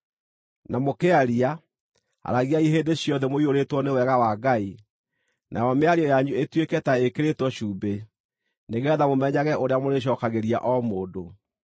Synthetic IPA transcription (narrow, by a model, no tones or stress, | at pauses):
namokeaɾia | a̰ɾaɣiaiɦeːndeɕjɔðɛmoioɾetwɔnewɛɣawaɡai | nʔa̰jɔmeaɾiɔjaɲuetwekɛtaekeɾetwɔɕuːbe | neɣɛðamomɛɲaɣɛoɾeamoɾeɕ̬ɔkaɣeɾia̰ʔɔmoːdo